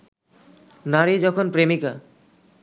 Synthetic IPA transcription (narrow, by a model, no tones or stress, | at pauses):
naɾid͡ʑɔkʰonpɾemika